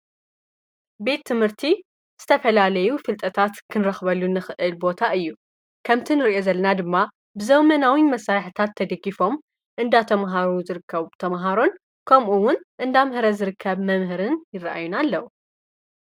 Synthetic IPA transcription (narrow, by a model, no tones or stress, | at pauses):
be̞t̪ʰːɨmhɨɾt̪ʰi | z̥ɨt̪ʰɐfɐlalɐjufɨlt̪ʼɐt̪ʰat̪kʰɨnɾɐxβɐlːunɨxɨʔɨlbo̞t̪ʰaɨjːu | kʰɐmt̪ʰinɨɾʔo̞zɐlːɐnad̪ɨmːa | bɨzɐmɐnawimɐsaɾħɨt̪ʰat̪ʰːɐd̪ɐɡifo̞m | ʔɨnd̪at̪ʰɐmɦaɾuzɨɾɨkʰːɐβt̪ʰɐmɦaɾo̞n | kʰɐmʔuwʊnʔɨnd̪amhɨɾɐzɨɾɨkʰːɐβmɐmɦɨɾɨnjɪrːɐʔa̰junalːɐw